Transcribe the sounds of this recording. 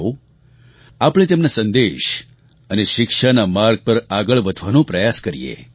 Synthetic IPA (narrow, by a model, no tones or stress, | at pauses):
o | apɳ̃et̪emnasə̃nd̪eʃ | əneʃɪkʃanamaɾɡ̚pəɾaɡəɭʋəd̪ʱʋanõpɾəjaskəɾijḛ